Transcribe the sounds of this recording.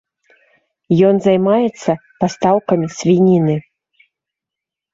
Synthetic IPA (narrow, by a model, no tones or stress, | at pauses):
jɔnzajmajɛt̪sːɐpast̪awkɐmʲisʲvʲinʲinɨ